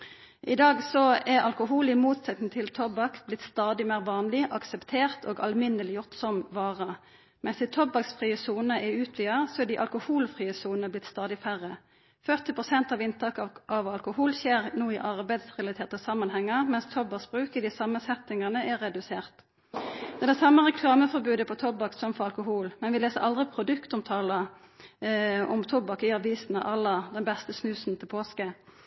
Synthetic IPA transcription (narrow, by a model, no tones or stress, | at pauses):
ʔɪd̪ɑːɡsɔɛʁɑlkʊɦuːlɪmuːt̪sɛt̪n̩t̪ʰɪlt̪ʰɔbɑkblɪt̪st̪ɑːd̪ɪmæːʁʋɑːnlɪʔɑksɛpt̪ʰeːʁt̪ʰo̰ːɡɑ̰lmɪnːəlɪjʊʁt̪sɔmʋɑːʁə | mɛnsɪt̪ʰɔbɑksfʁiːəsuːnəʔɛʉːt̪ʰʋiːəsɔɛd̪ɪʔɑ̰lkʊhuːlfʁiːəsuːnəblɪt̪st̪ɑːd̪ɪfæʁə | fœʁt̪ɪpʁʊsɛnt̪ɑʋɪnt̪ʰɑːkʔɑʋɑlkʊhuːlɕeːʁnuːɪʔɑʁbæɪd̪sʁɛlɑt̪ʰeːʁt̪əsɑmːɑnhɛŋːəʁmɛnst̪ʰɔbɑsb̥ʁʉːkɪd̪ɪsɑmːəsɛt̪ɪŋɑnəʔæʁɛd̪ʉseːʁt̪ | d̪ɛd̪ɛsɑmːəʁɛkʰlɑːməfɔʁbʉːd̪əpʰɔt̪ʰɔbɑksɔmfɔʁɑlkʊɦuːlmɛnʋɪleːsəɾʔɑld̪ʁɪpʰʁʊd̪ʉkt̪ɔmt̪ʰɑːlə | ɔmt̪ʰɔbɑkɪɑʋiːsn̩ɑ̰ʔɑlːəd̪ɛnbɛst̪əsnʉːsnt̪ʰɪlpʰoːskə